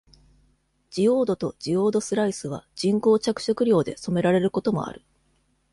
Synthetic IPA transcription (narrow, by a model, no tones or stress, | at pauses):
d͡ʑijo̞ːd̪o̞t̪o̞d͡ʑijo̞ːd̪o̞sɨɾaisɨβ̞a̰d͡ʑĩŋko̞ːt͡ɕakɯ̟̥ɕo̞kɯ̟ɾʲo̞ːd̪e̞so̞me̞ɾaɾe̞ɾɯ̟ko̞t̪o̞mo̞̰a̰ɾɯ̟